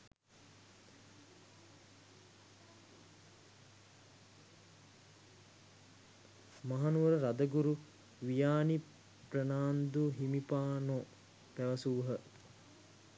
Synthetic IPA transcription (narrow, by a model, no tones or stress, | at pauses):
maɦanuʋəɾəɾad̪əɡuɾu | ʋijaːni | prənaːnd̪uɦimipaːno | pæʋɐsuːɦə